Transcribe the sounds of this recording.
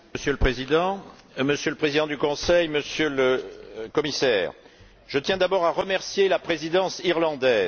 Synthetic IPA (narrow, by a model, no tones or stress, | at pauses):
məsjøləpχezid̪ɑ̃ | məsjøləpχezid̪ɑ̃d̪ykɔ̃sɛjməsjøləkɔmisɛːʁ | ʒ̥ət̪jɛ̃d̪abɔʁaʁəmɛʁsjelapχezid̪ɑ̃siʁlɑ̃d̪ɛːz